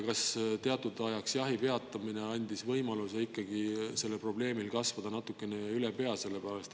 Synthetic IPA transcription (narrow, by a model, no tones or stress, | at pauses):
kɑst̪e̞ɑt̪ːˑud̪ɑjɑksjɑɦipe̞ɑt̪ːˑɑmine̞ɑnʲd̪̥isvɤjmɑluseikːɑɡise̞lːepro̞ble̞ːmilkɑsvɑd̪̥ɑnɑt̪ːukːˑe̞neylepe̞ɑse̞lːepæɾɑst̪